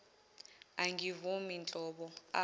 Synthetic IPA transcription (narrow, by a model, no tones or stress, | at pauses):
aŋʱivumint͡ɬʼɔɓɔa